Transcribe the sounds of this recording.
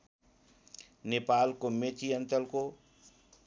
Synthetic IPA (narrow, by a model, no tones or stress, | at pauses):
nepaːlkomet̪iənt̪əlko